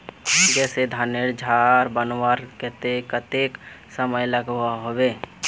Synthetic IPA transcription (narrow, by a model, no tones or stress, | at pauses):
d͡ʒɛːsed̪ʱaneɾd͡ʒʱaɾbənwaɾkɛt̪ekət̪eksəməjləɡɦaɦobeː